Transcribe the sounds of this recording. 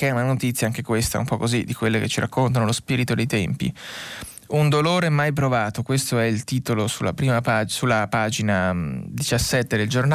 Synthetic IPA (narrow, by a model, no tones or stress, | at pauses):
kɛunanot̪it̪sːjaaŋk̟ekwest̪a̰ṵmpɔkːozid̪ikwelːeket͡ʃːiɾakːont̪anolospiːɾit̪od̪ejt̪ɛmpḭ | und̪oloːɾeɛmajp̬ɾovaːt̪okwest̪oɛilt̪iːt̪olosulːa̰pɾiːmapasulːapaːd͡ʒinad̪it͡ʃasːɛt̪ːed̪eld͡ʒorn